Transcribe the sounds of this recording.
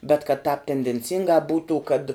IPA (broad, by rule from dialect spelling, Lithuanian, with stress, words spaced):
bʲɛt kɐt tʲɛːp tʲɛnʲdʲɛnʲˈt͡sʲɪŋɡɑː ˈbuːtuː kɐt